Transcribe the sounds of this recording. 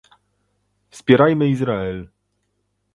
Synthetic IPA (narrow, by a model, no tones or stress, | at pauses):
fspʲjɛɾajmɘizɾaɛl